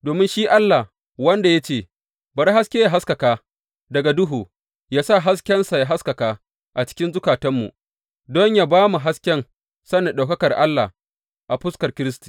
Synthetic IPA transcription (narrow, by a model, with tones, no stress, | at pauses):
doː˨mɪ˦nʃiː˦ʔa˦lːa˨h | wɐ˦nda˨ja˦t͡ʃeː˦˨ | bɐ˨ɾɦa˦skʲeː˦ja˨ɦa˦skɐ˨kaː˦ | dɐ˨ɡa˨dʊ˦ɦuː˨ | jaː˦sa˦˨ɦa˦skʲɛ˦nsa˨ja˨ɦa˦skɐ˨kaː˦ | ʔa˨t͡ʃɪ̥˦kʲɪ˦nzʊ˦kaː˨tɐ˦mːṵ˨ | dɔ˦ɲjaː˦baː˦mu˨ɦa˦skʲɛ˦n | sɐ˦na˨ɗa˨wkɐ˦kɐ˨rʔa˦lːa̰˨ | ʔa˨ɸʊ˦skɐ˨rkʲɪ˦ɾɪ˦sti̥˨